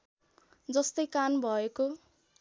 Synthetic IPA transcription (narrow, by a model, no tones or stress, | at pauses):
d͡zʌst̪ʌjkanbʱʌeko